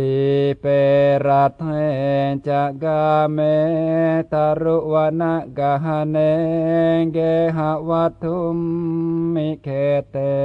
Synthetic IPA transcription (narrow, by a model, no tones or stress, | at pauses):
tipɛɾat̪ŋɛnt͡ʃaɡamɛ | t̪aɾuʔwanaʔɡaɦane | ŋɡeɦawat̪ummːikɛt̪ɛ